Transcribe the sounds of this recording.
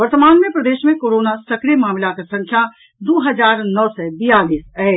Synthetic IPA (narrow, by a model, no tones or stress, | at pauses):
ʋəɾt̪əmaːnmepɾəd̪eːʃmẽkoɾoːnasəkɾijmaːmlakɐsə̃ŋkʰja | d̪uːɦəd͡ʒaːɾnɔːsɛbijaːliːsɛ